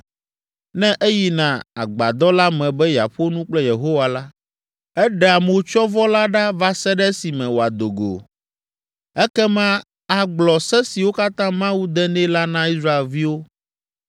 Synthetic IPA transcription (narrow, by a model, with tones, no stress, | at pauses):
nɛ̃˦ʔe˦ji˦nã˨a˨ɡ͡ba̰˨d̪ɔ˦la˦mɛ̃˨bɛ˦ja̰˨ɸo˦nũ˦k͡plɛ˦je˨ɦo˦wa˨la˦ | ɛ˦ɖɛ˨a˨mo˨˦t͡ʃɔ˦vɔ˦la˦ɖa˦va˦sɛ˦ɖɛ˦si˨mɛ̃˨wo˨a˨d̪o˨ɡo̰˨ | ɛ˦kɛ˦mã˦ | a˨ɡ͡blɔ˨sɛ˦si˨wo˦ka˦t̪ã˦mã˦wu˦d̪ɛ˦nɛ̃˦la˦nã˦i˦sɾa˦e˨lvi˦wo˦